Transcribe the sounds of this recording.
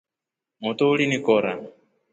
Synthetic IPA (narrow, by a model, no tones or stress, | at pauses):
mut̪uulinikɔɾa